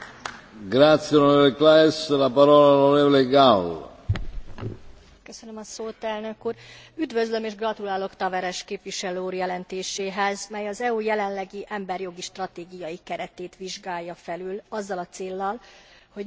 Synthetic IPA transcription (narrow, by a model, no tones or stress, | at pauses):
ɡɾat̪sjeonoɾeːvoleklaeslapaɾɔːlaoloɾeːvoleɡal | køsønømɒsoːt̪ɛlnø̞kuːr | yd̪vø̞zlø̞meːʒɡrɒt̪ulaːlo̞kt̪ɒvɛɾɛʃkeːpʋiʃɛløːuːrjɛlɛnt̪eːʃeːɦɛzmɛjɒzɛujɛlɛnlɛɡiʔɛmbɛrjo̞ɡiʃt̪rɒt̪eːɡijɒjikɛɾɛt̪eːt̪ʋiʒɡaːjːɒfɛlylɒzːɒlɒt̪seːlːɒlho̞